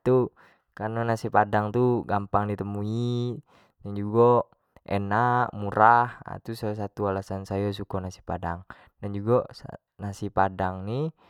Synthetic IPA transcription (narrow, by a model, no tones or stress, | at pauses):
t̪u | kanɔnasipadaŋt̪uɡampaŋdit̪əmui | dand͡ʒuɡɔ | ʔɛ̰naʔmuɾaha̰t̪usas̬at̪ualasansajas̬ukɔnasi̥padaŋ | dand͡ʒuɡas | nasipadaŋni